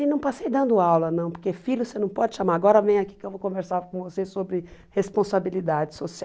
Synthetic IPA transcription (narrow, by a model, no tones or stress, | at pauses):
ɪnɐ̃w̃pasejd̪ɐ̃nd̪ʊawlɐnɐ̃w̃poɾkefiljʊsenɐ̃w̃pɔd͡ʒɪʃamaɾaɡɔɾɐvẽj̃ʊaki̥kɪewvokõveɾsaɾkõvosesobɾɪhespõsabilid̪ad͡ʒɪsosi